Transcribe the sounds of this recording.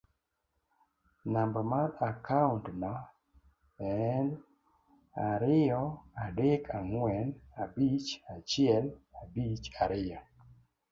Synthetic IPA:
nambɔmaɾakauntna | ɛn | aɾɪjɔadekʰaŋwɛnabit͡ʃat͡ʃɪɛlabit͡ʃaɾʔɪjɔ

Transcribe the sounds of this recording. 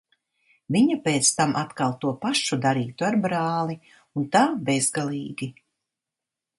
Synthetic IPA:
viɲapeːt̪st̪amʔat̪kalˠt̪uɔpaʃud̪aɾiːt̪uaɾbɾaːlˠi | unt̪aːbezɡalˠiːɡʲi

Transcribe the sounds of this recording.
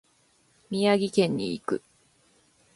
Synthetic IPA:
mʲijaɡʲikẽ̞ɲ̟ːḭːkɯ̟̰

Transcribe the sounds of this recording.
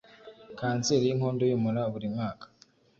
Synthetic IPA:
kaːnt͡siɾjiŋhoːndojimuɾaβuɾimaːkḁ

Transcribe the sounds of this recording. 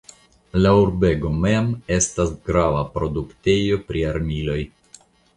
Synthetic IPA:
lauɾbe̞ɡo̞me̞me̞stasɡɾavapɾo̞dukte̞jo̞pɾiaɾmilo̞j

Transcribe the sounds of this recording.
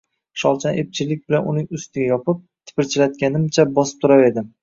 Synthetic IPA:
ʃɒlˠt͡ʃʰane̞p̚t͡ʃʰɪlɪk̚ʲbɪlanʊnɪŋʊst̪ɪɡʲajɒpʰɪp̚ | t̪ʰɪ̥pɪɾt͡ʃʰɪlat̪̚ɡʲanɪmt͡ʃʰabɒsɪ̥p̚t̪ʰʊɾawe̞d̪ɪ

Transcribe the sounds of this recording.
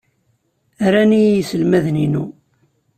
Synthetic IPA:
æɾæniisəlmæðninu

